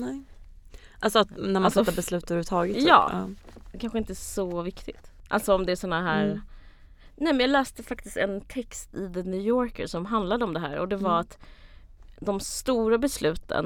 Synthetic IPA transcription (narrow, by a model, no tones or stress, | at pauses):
nɛ | ʔalsɔat̪næɾmansɛt̪ːabɛslʉ̟ːt̪ɵɾʉvt̪ʰɑːɡət̪sjɑ̰ː | kʰanɧəɪnt̪əæːsɔvɪkt̪ɪt̪ʔa̰lsɔɔmd̪ɛːʂɔnːaɦæːɾ | nɛmɛnjɑɡlɛːst̪əfak̚t̪ɪst̪ɛ̰nt̪ʰɛkst̪ɪd̪ɛnʉːjɔːɾkə̰ɾʂɔmɦand̪lad̪əɔmd̪ɛɦæ̰ːɾɔd̪ɛvaɾat̪ | d̪ɔmst̪uːɾabɛslʉ̟ːt̪ə̰n